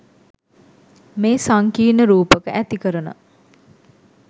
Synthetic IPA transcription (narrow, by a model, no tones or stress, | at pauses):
meːsaŋkiːnəɾuːpəkəʔæt̪ikəɾənə̰